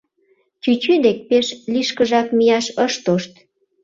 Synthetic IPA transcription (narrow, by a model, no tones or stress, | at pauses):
t͡ɕyt͡ɕyd̪ek̚peʃliʃkəʒɑkmijɑʃəʃt̪oʃt̪